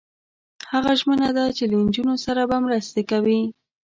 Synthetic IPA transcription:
haɣaʒmənad̪at͡ʃeland͡ʒunosaɾabamɾəst̪ekawi

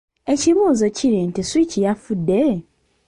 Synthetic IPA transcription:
e̞ciβuːzo̞ciɾintiswicijafudːe̞

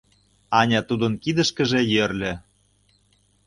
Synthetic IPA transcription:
ɑnʲɑt̪ud̪ə̆nkid̪ə̆ʃkə̆ʒĕjørlʲĕ

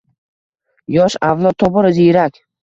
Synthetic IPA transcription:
jɒʃavlˠɒt̪ʰːɒbɒɾɪziɾakʲ

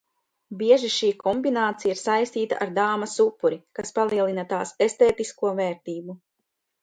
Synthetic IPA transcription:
biɛʒiʃiːkʰɔmbinaːt̪sijaiɾsajst̪iːt̪a̰ʔaɾd̪aːmɐsupːuɾikaspalˠiɛlˠinat̪aːsest̪eːt̪iskuɔvɛːɾt̪iːbu

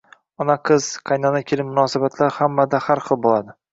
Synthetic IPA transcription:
ɒnaqʰɨz̥qʰɑjnanakʲʰelɪpmːʊnɒːsabat̪ʰlaɾhamːad̪ahaɾχɨlˠbolˠad̪ɪ

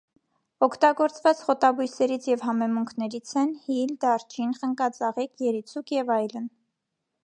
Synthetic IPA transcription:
ɔkʰt̪ɑɡɔɾt͡svɑt͡sχɔt̪ɑbujsɛɾit͡sʰjɛvɦɑmɛmuŋkʰnɛɾit͡sʰɛnhild̪ɑɾt͡ʃʰinχəŋkɑt͡sɑʁikʰjɛɾit͡sʰukʰjɛvɑjlən

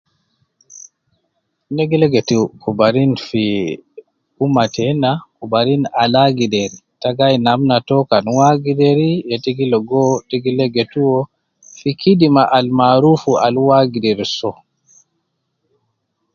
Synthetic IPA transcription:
neɡilɛɡɛtukubaɾinfi | umatɛnakubaɾinalaɡidɛɾitaɡajnamnatɔkanwaɡidɛɾijɛtiɡilɔɡɔteɡilɛɡetuwɔ | fikʰidimaʔalmaɾufualwaɡidɛɾsɔ

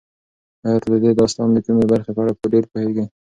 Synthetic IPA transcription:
hɑjɑt̪ad̪əd̪ed̪ɑst̪ɑmd̪əkumebaɾxepəaɽapəɖeɾpoheɡi

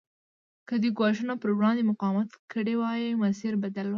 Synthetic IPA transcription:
kəd̪əɡwɑʃənopəɾɡɽɑmd̪emʊqɑmat̪kəɽewɑjimasiɾbad̪alwa

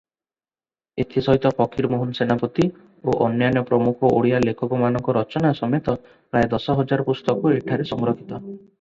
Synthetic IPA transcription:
et̪ʰisɔɦit̪ɔpɔkʰiɾmoɦunsenapɔt̪i | oʔɔnjanjɔpɾɔmukʰɔʔoɽijalekʰɔkɔmanɔŋkɔɾɔt͡ʃɔnasɔmet̪ɔ | pɾajd̪ɔsɔɦɔd͡ʒaɾɔpust̪ɔkɔeʈʰaɾesɔŋɾokʰit̪ɔ

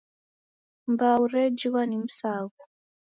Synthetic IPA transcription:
mbaurɛd͡ʒiwanim̩saːɣu

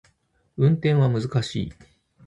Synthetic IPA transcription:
ɯ̟̃nt̪ẽ̞ɰ̃βamɯzɨkaɕḭː

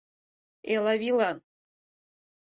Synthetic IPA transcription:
elˠavilan

